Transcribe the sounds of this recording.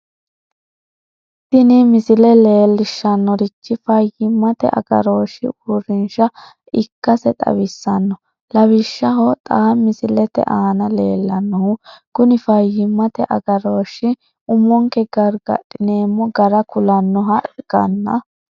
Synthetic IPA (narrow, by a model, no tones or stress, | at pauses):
sɪnɪmɪsɪlɛle̞ːlːɪʃːɐnːɔɾɪt͡ʃːɪfɐjɪmːɐt̪ɛ̰ʔɐ̰ɡɐ̰ɾo̞ːʃːɪ̰ʔuːrɪnʃɐ | ɪkːɐsɛt̪ʼɐ̰bɪsːɐnːɔ | lɐβɪʃːɐɦɔt̪ʼaːmɪsɪlɛt̪ɛ̰ʔaːnɐle̞ːlːɐnːɔhʊɡ̥ʊnɪfɐjːɪmːɐt̪ɛʔɐɡɐɾo̞ːʃːɪ | ʊmɔŋkɛɡɐɾɡɐ̰ɗːɪne̞ːmːɔɡɐɾɐkʊlɐnːɔɦɐɛɡ̥ɐ̰nːɐ